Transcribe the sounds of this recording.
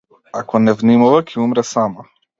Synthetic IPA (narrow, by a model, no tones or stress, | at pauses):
akɔnɛvnimavakʰɛumɾɛsama